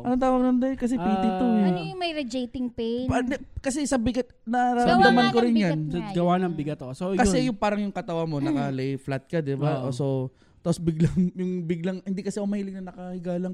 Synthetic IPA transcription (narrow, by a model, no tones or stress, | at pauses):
ʔɐnot̪aːwɐmnɐnd̪ɐkɐs̬ɛpiːt̪ɪt̪uɪmɐjɾɐd͡ʒejt̪ɪŋpepd̪ɛkɐsɛsɐbɪɡɐt̪̚ | nɐɾaɐnd̪ɐmankoɾɪnjanɡɐwanɐŋbɪɡɐt̪osokɐsɛjʊŋpaːɾɐŋjʊŋkɐt̪ɐwamo̞nɐkɐlɛjflat̪̚kɐd̪ɪbaʔʔoːso | t̪aːposbɪɡlaŋjʊŋbɪɡlɐŋhɪnd̪ikɐsɛʔʊmɐhiːlɪɡ̚nɐnɐkɐhɪɡaːlɐŋ